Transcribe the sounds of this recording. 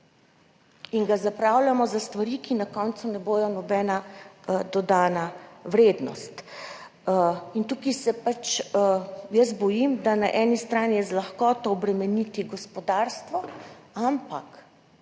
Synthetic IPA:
iŋɡazapɾawlʲamɔzast̪ʋaɾikinakɔnt̪sunɛboːj̪ɔnɔbɛːnad̪ɔd̪aːnaʋɾeːd̪nɔ̰st̪ | int̪uːkisɛpat͡ʃ | jəsbɔjimd̪anaʔɛːnist̪ɾaːnijɛzlaxkɔːt̪ɔːbɾɛmɛnit̪iɡɔspɔd̪aɾst̪ʋɔampak

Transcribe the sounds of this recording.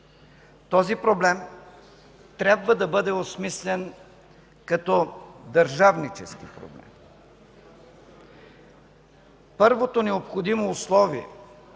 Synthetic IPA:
t̪ɔzipɾoblɛm | t̪ɾʲabvəd̪ɐbɤd̪ɛosmislɛn | kɐt̪ɔd̪ɐɾʒavnit͡ʃɛskḭpɾo̰blɛ̰m | pɤɾvot̪onɛopxod̪imoːslˠɔviɛ̰

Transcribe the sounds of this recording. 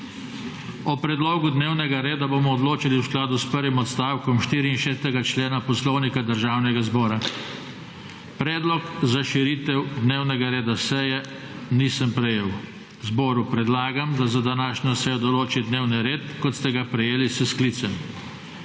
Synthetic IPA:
ɔpɾɛd̪loːɡud̪neːwnɛɡaɾeːd̪aboːmɔːd̪loːt͡ʃaliwsklaːd̪uspəɾʋimɔt̪st̪aːwkɔmʃt̪iːɾiːnʃeːst̪ɛɡat͡ʃleːnapɔslɔwnikad̪əɾʒaːwnɛɡazbɔːɾa | pɾɛːd̪lɔkzaʃiɾiːt̪ɛwd̪neːwnɛɡaɾeːd̪asɛjɛ | nisəmpɾɛjeːw | zbɔːɾupɾɛd̪laːɡamd̪azad̪anaːʃɲɔsɛjɔd̪ɔloːt͡ʃid̪neːwniɾeːt̪kɔt̪st̪ɛɡapɾɛjeːlisəskliːt̪sɛm

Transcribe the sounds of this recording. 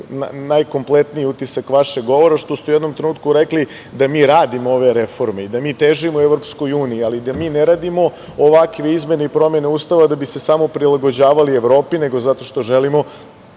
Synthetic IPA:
na̰najko̞mplet̪nijiut̪isakʋaʃeɡɡo̞ʋo̞ɾaʃt̪o̞st̪ujed̪nomt̪ɾenuːt̪̚kuɾekli | d̪amiːɾaːd̪imoo̞ʋe̞ɾe̞fo̞ɾme̞id̪amiːt̪eʒimoueʋɾopsko̞juːniialid̪amiːneɾaːd̪imo̞ | oʋakʋe̞izme̞neipɾo̞me̞neuːst̪aʋad̪abise̞samo̞pɾilˠaɡod͡ʑaːʋalieʋɾo̞ːpine̞ɡozat̪o̞ʃt̪o̞ʒelimo̞

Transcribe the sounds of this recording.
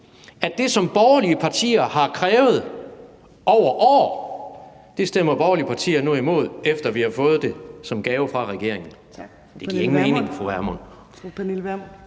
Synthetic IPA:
æ̥d̥e̝sɒ̽mb̥ɒːʊɐliəpʰɑ̈t͡sʰḭːɐhɑ̈kʰʁɛːʊð̞̩ˠ | ɒʊ̰ɐʔɒ̰ː | d̥e̝sd̥em̰ɐb̥ɒːɐliəpʰɑ̈t͡sʰḭːɐnuimo̝ð̞̰ˠefd̥ɐʋihɑ̈fɔ̽ːð̩ˠd̥e̝sɒ̽mɡ̥ɛːʊfʁɑ̈ʁɛɡ̥e̝ɐeŋn̩ | d̥e̝̥iɐe̝ŋn̩me̝ːne̝ŋfoæɐmɔn

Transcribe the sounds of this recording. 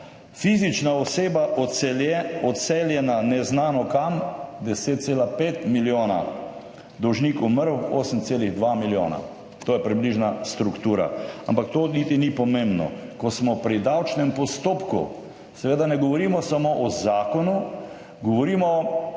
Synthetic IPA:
fizit͡ʃnaɔseːbaʔɔt̪sɛljɛɔt̪sɛljɛnanɛznaːnɔkamd̪ɛseːt̪̚t̪seːlapeːt̪miljoːna̰ | d̪ɔwʒniːkuməɾwo̰ːsəmt̪seːliɣd̪ʋamiljo̰ːna̰ | t̪oːjɛpɾibliʒnast̪ɾukt̪uːɾa̰a̰mpakt̪oːnit̪inipɔmẽmbnɔ̰kɔsmɔpɾid̪awt͡ʃnɛmpɔst̪oːpkṵ | sɛʋeːd̪anɛɡɔʋɔɾiːmɔsamoʔɔzaːkɔnu | ɡɔʋɔɾiːmɔ

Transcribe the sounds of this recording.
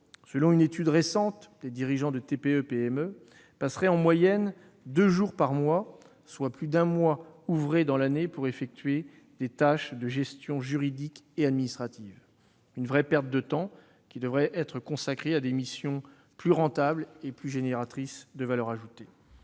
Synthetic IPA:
səlɔ̃ynet̪yd̪ʁesɑ̃t̪d̪ed̪iʁiʒɑ̃d̪ət̪epeøpeɛmø | pasχɛɑ̃mwajɛn | d̪øʒuʁpaʁmwa | swaplyd̪ɛ̃mwauvʁed̪ɑ̃lanepuʁefɛk̚t̪ɥe | d̪et̪aʃd̪əʒɛst̪jɔ̃ʒyʁid̪ikead̪minist̪χat̪iv | ynvʁɛpɛʁt̪̚d̪ət̪ɑ̃ | kʲid̪əvʁɛʔɛt̪χəkɔ̃sakχead̪emisjɔ̃ | plyʁɑ̃t̪ableplyʒeneʁat̪χisd̪əvalœʁaʒut̪e

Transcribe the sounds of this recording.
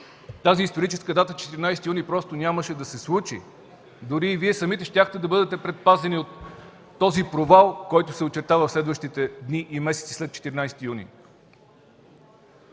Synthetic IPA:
t̪aziːst̪oɾit͡ʃɛskəd̪at̪ət͡ʃɛ̥t̪iɾinajsɛt̪ijunipɾɔst̪onʲaməʃɛd̪ɐsɛslˠut͡ʃḭ | d̪ʊɾiːviɛsɐmit̪ɛʃt̪ʲaxt̪ɛd̪ɐbɤd̪ɛt̪ɛpɾɛt̪̚pazɛniot̪ː | ɔzipɾovalˠkɔjt̪osɛot͡ʃɛɾt̪avɐfslɛd̪vəʃt̪it̪ɛd̪niʔimɛsɛ̥t̪si̥slɛt̪̚t͡ʃɛ̥t̪iɾinajst̪ijunḭ

